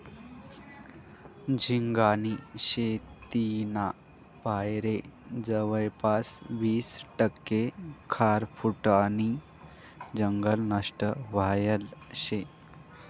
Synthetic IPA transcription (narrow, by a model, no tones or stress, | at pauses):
d͡ʑʱiŋɡaniɕet̪ina | pajɾed͡zəʋəjpasʋiːsʈəkːekʰaɾfuʈani | d͡ʑəŋɡəlnəʂʈəʋajəlɕe